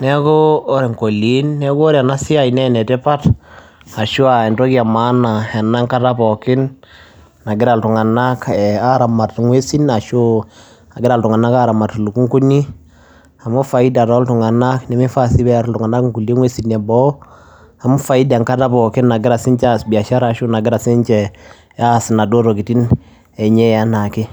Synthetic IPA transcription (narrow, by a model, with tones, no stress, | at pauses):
nɛ˦koː˦ɾɛ˨ŋko˨li˦nːɛ˦ko˦ɔ˦ɾa˨na˦sɪ˦a˦i˨nɛ˦nɛ˨tɛ˦pa˦t | a˨ʃu˦a˨ɛ˨ntɔ˦kja˨ma˦na˨ɛ˨na˦ŋka˦ta˦pɔkɪ˦nː | a˨ɡɪ˦ɾa˨ltu˨ŋa˨na˦kɛa˦ɾa˨ma˨tŋwe˦si˦na˨ʃo˦ | a˨ɡɪ˦ɾa˨ltʊ˨ŋa˨na˦ka˦ɾa˨ma˨tlu˨ku˦ŋku˦ni˦ | a˨mʊ˦fa˨i˦da˨ɾɔ˦ltʊ˨ŋa˨na˦kni˨mɪ˦fa˦si˦bɛ˦ɾltʊ˨ŋa˨na˦kŋku˨li˦ŋwe˦si˦nɛ˨bɔ˦ | a˨mʊ˦fa˦i˦da˨ŋka˦ta˦pɔ˨kɪ˦nːa˨ɡɪ˦ɾa˨sɪ˦ɲt͡ʃa˦sbi˨a˨ʃa˦ɾa˨ʃu˦na˨ɡɪ˦ɾa˨sɪ˦ɲt͡ʃɛ | a˦sɪ˨na˨do˦ɾo˨ki˨ti˦n | ɛ˨ɲɛ˦a˦na˨kɪ˦